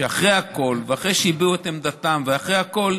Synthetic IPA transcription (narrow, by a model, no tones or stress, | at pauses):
eaχʁejako̞lveaχʁejʃeibiuet̪emd̪at̪amveaχʁejhako̞l